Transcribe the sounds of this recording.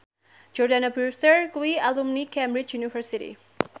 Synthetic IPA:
d͡ʒɔrdanabuɹsəɹkwialumnikɛ̃mbɾit͡ʃjunifəɾsitḭ

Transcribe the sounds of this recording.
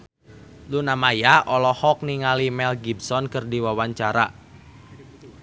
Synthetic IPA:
lunamajaʔɔlɔhɔk̚niŋalimɛlɡibsɔnkɨrdiwawaɲt͡ʃaɾa

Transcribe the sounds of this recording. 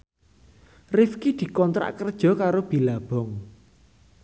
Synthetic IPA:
rɪfkid̪̥i̤kɔnt̪ɾa̰ʔkərd̥ʒ̥ɔ̤kaɾob̥i̤lab̥ɔ̤ŋ

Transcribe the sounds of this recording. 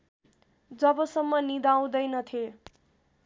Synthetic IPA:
d͡zʌbʌsʌmːʌnid̪aw̃d̪ʌjnʌt̪ʰe

